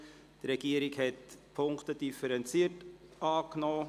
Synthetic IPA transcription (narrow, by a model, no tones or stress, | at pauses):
d̥̪ɾɛɡ̥iːəɾɪkhɛtpʰʊŋktədifəɾɛnt͡siətʔɑːknoː